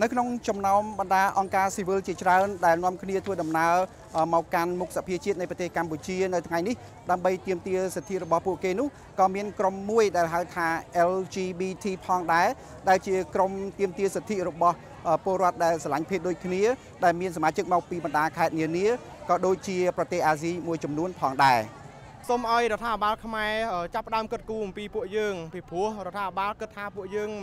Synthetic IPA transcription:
nɨwkʰnoŋt͡ɕɑmnaɔmɓɑnɗaːʔɑŋkaːsiːʋɨlt͡ɕiət͡ɕraənɗaɛlnŏəmkʰniət̪ʰʋəːɗɑmnaə | ʔmɔɔkːanmuk̚sapʰiət͡ɕiət̪̚nɨjprɑt̪eːhkamput͡ɕiənɨwt̪ʰŋajnih | ɗaəmɓəjt̪iəmt̪iəset̪ʰiʔrɔɓɑhpuəʔkeːnʊ̆əh | kɑːmiənkromːuəjɗaɛlɦaəlt̪ʰaːʔɛlt͡ɕiːɓiːt̪ʰiːpʰɑːŋɗaɛ | ɗaɛlt͡ɕiəkromt̪iəmt̪iəset̪ʰiʔrɔɓɑh | ʔəpŏəlɾŏət̪̚ɗaɛlsalaɲpʰeːp̚ɗoːc̚kʰniə | ɗaɛlmiənsamaːt͡ɕɨk̚mɔk̚piːɓɑnɗaːkʰaɛt̪̚niəniə | kɑːɗoːc̚t͡ɕiəprɑt̪eːhʔaːziːmuəjt͡ɕɑmnuənpʰɑːŋɗaɛ | soːmʔaɔjrŏət̪ʰːaːpiɓaːlkʰmaɛʔəːt͡ɕapːə̆ɗaəmkɨt̪̚kuːʔɑmpiːpuəʔjəːŋpipʊ̆əhrŏt̪ʰːaːpiɓaːlkɨt̪ʰːaːpuəʔjəːŋ

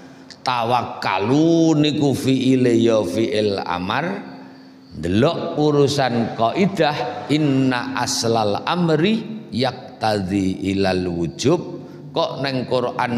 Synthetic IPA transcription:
t̪awakːa̰lunikufiʔilejɔfiʔɪla̰mar | nd̪əlɔʔuɾusankɔʔid̪̥ahinːaʔa̰slalamɾijak̚t̪aðiilalwud̥ʒ̥ʊp̚ | kɔʔnɛŋkʊɾʔan

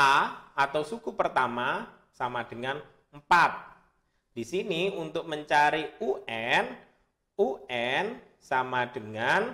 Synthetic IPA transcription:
aat̪awsukupərt̪ama | samad̥əŋan | m̩pat̪̚ | d̥isiniunt̪ʊk̚məɲt͡ʃaɾiuʔɛn | uɛn | samad̥əŋan

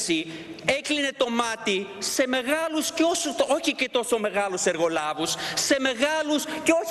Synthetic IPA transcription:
siekline̞t̪o̞mɐt̪ise̞me̞ɣɐlusceosuoçicet̪o̞so̞me̞ɣɐluse̞ɾɣo̞lɐvusːe̞me̞ɣɐlusceo

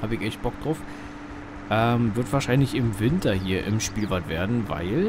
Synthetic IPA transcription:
haːbəɪçʔɛçt̚b̥ɔk̚d̥ʁaʊf | ʔɛːmvɪɐtv̥aɐʃaɪnlɪçɪmvɪntɐɦiːɐʔɪ̰mʃpiːlvatv̥eːɐdn̩va̰ɪl

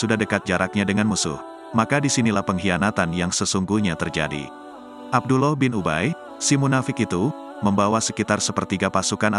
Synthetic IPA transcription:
sudahdəkat̪̚d͡ʒaɾak̚ɲadəŋanmusʊ̰h | makadisinilahpəŋɦianat̪anjaŋsəsuŋɡuhɲat̪ərd͡ʒa̰dḭ | ʔab̚dulɔhbɪnuba̰j | simunafɪkit̪u | məmbawasəkit̪arsəpərt̪iɡapasukana

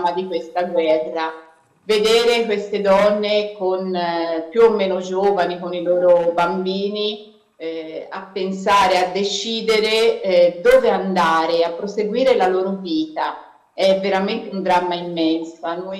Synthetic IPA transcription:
mad̪ikwest̪aɡwɛrːa | ved̪eːɾekwest̪ed̪ɔnːekonpjuomːeːnod͡ʒoːvanikoniloːɾobambiːni | a̰pːensaːɾead̪ːet͡ʃiːd̪eɾed̪oːveand̪aːɾeapːɾoseɡwiːɾelaloːɾoviːt̪a | ɛvːeɾament̪eund̪ɾamːaimːɛnsoanu

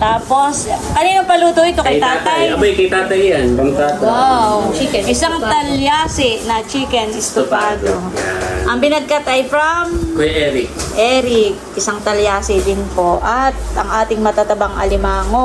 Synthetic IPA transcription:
t̪aːpo̞skɐniːnɐŋpɐluːt̪oʔɪt̪okɐjt̪aːt̪ɐjɐbajkɐjt̪aːt̪ɐjjanbɐmt̪aːt̪ot͡ʃikɛnɪsaŋt̪ɐljaːsɪnɐt͡ʃiːkɛnɪst̪ʊpad̪oaʔɐŋbɪnɐɡ̚kɐt̪ɐjfɾɐmkojʔɛːɾɪkʔɛːɾɪkʔɪsaŋt̪ɐljaːsɪd̪ɪnpo̞ʔɐt̪̚ʔɐŋaːt̪ɪŋmɐt̪ɐt̪ɐbɐŋʔɐ̰lɪmaːŋo

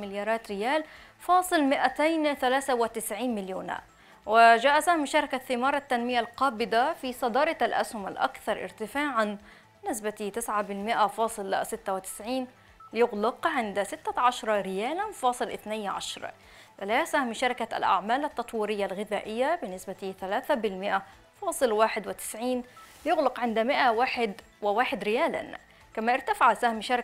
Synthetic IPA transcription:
mɪljɑːɾˤɑːt̪ɾɪjaːlfɑːsˤɨlmɪʔat̪ajnθalaːθawɪt̪ɪsʕiːnmɪljuːna̰ʔ | wɪʒaːʔasahmʃɑːɾˤɪkaθːɪmɑːɾˤɑt̪ːanmɪjalqɑːbɪd̪afisˤɑd̪ɑːɾˤɑalʔa̰shʊma̰lʔa̰kθɑɾˤʔɪ̰ɾt̪ɪfaːʕan | nːɪsbat̪it̪ɪsʕabɪlmɪʔafɑːsˤɨlsɪt̪ːawɪt̪ɪ̥sʕiːn | lɪjʊɣlɑqʕɪnd̪sɪt̪ːaʕɑʃɾˤɑɾɪjaːlanfɑːsˤɨlʔɪθnajʕaʃɾˤɑ̰ | ʔɪlasahmʃɑɾɪkaa̰lʔa̰ʕmaːlat̪ːɑt̪ˤwiːɾɪjːalɣɪðaːʔɪjːabɪnːɪsbat̪iθalaːθabɪlmɪʔa | fɑːsˤɨlwaːħɪd̪wɪt̪ɪ̥sʕiːnlɪjʊɣlɪqʕɪnd̪mɪʔawaːħɪd̪ | wɪwaːħɪd̪ɾɪjaːla̰n | kamaʔɪɾt̪afɪʕasahmʃɑɾ

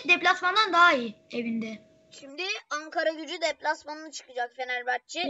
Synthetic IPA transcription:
d̪eplʲasmand̪and̪aɦiːevind̪ɛ | ʃimd̪ɪaŋkʰaɾaɟyd͡ʒyd̪ɛplʲasmanɯnɯt͡ʃʰɯ̥kɯd͡ʒakfenæɾbat̚t͡ʃʰːɯ

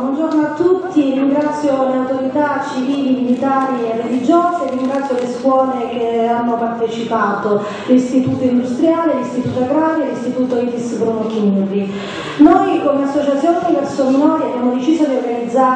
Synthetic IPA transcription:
bwɔnd͡ʒornoat̪ːut̪ːiriŋɡɾat̪sːjoleawt̪oɾit̪at͡ʃːiviːlimilit̪aːɾierːelid͡ʒoːzeːrːiŋɡɾat̪sːjoleskwɔːlekeanːopart̪et͡ʃipaːt̪o | list̪it̪uːt̪oind̪ust̪ɾjaːlelist̪it̪uːt̪oaɡɾaːɾjolist̪it̪uːt̪oit̪ispɾonokːinuri | nojkomeasːot͡ʃat̪sjoːnevɛrsomunoːjabjaːmod̪et͡ʃiːzod̪irealid̪zːa

